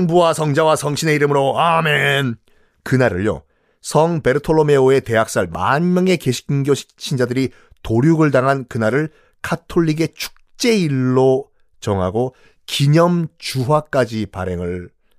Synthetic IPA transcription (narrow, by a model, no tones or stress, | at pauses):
ŋbuwasʰʌŋd͡ʑawasʰʌŋɕʰine̞iɾɯmɯɾoamen | kɯnaɾɯɭjo̰ | sʰʌŋpe̞ɾɯtʰoɭːome̞oe̞te̞ɦak̚s͈aɭma̰nmjʌŋe̞ke̞ɕʰi̥k̚inɡjoɕʰi̥t͡ɕʰind͡ʑadɯɾi | toɾjuɡɯɭdaŋɦankɯnaɾɯɭ | kʰatʰoʎːiɡe̞t͡ɕʰu̥k̚t͡ɕ͈e̞iɭːo | t͡ɕʌŋɦaɡo | kiɲʌmt͡ɕuɦwak͈ad͡ʑipa̰ɾe̞ŋɯɭ